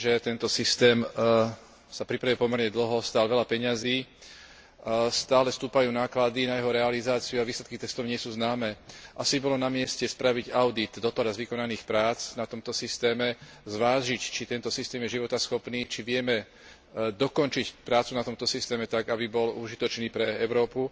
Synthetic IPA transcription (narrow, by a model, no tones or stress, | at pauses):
ʒɛt̪ɛnt̪ɔsist̪ɛːm | sapɾipɾaʋiːpɔmɛɾɲɛd̪l̩ɦɔst̪aːlʋɛlapɛɲaziː | st̪aːlɛst̪uːpajuːnaːklad̪inajɛɦɔɾɛalizaːt͡siuaʋiːslɛt̪̚kit̪ɛst̪ɔʊɲɪɛsuːznaːmɛːʔasibɔlɔnamɪɛscɛspɾaʋiɟaʊd̪it̪d̪ɔt̪ɔɾazʋikɔnaniːxpɾaːt͡snat̪ɔmt̪ɔsist̪ɛːmɛ | zʋaːʒict͡ʃit̪ɛnt̪ɔsist̪ɛːmjɛʒiʋɔt̪asxɔpniːt͡ʃiʋɪɛmɛ | d̪ɔkɔnt͡ʃicpɾaːt͡sunat̪ɔmt̪ɔsist̪ɛːmɛt̪aɡabibɔluʒit̪ɔt͡ʃniːpɾɛɛʊɾɔːpu